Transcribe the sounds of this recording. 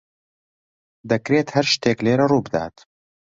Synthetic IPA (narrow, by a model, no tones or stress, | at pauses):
d̪ɐkɾeːt̪hɐɾʃt̪eːkleːɾɐruːbɨd̪a̰ːt̪